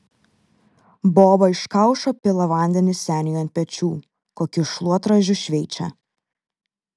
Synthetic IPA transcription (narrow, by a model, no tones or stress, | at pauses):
boːbɐɪʃkɑˑʊʃoːpʲɪlˠɐʋɐˑnʲd̪ʲɛnʲɪsʲæːnʲɪjoɐnʲt̪̚ʲpʲɛt͡ʃʲuː | koːkʲʊʃlˠuɔt̪ɾɐʒʲʊʃʲʋʲɛɪt͡ʃʲɛ̰